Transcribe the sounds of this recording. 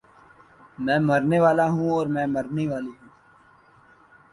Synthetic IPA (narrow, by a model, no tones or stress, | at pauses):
mɛ̃ːməɾneʋaːlaɦũɔːɾmɛ̃ːməɾneʋaːliɦũː